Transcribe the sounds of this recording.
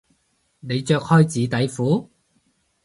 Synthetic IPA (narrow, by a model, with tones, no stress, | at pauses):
ne˨˧jt͡ʃœː˧k̚hɔː˥jt͡siː˨˧t̪ɐ˨˥jfuː˨˥